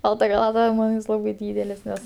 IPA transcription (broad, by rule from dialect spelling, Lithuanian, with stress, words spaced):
ˈbɐlˠtɐ xɐˈlˠɑːtɐ ˈmɐn jɪs ˈlˠɑːbɐɪ ˈdʲiːdʲɛlʲɪs ˈnʲɛs